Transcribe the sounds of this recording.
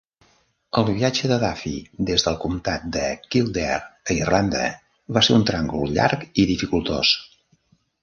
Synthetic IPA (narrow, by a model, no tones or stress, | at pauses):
əlˠββiad͡ʒəðəðafḭd̪ezðəlˠkumt̪at̪̚d̪əkilˠd̪ɛɾəirland̪ə̰ | βaseɾunt̪ɾaŋɡuʎa̰ɾkiðifikulˠt̪o̰s